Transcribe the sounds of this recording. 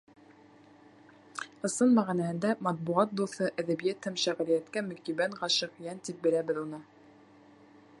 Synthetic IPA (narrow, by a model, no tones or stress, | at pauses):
ɤ̆sɤnmæʁænæhɘ̆nd̪æmɑt̪̚buʁɑt̪̚d̪uθɤʔæðæbijæt̪hæmʃæʁɾijæt̪kæmɵ̆kibæɴʁɑʃɤqjænt̪ip̚bɘ̆læbɘðunɤ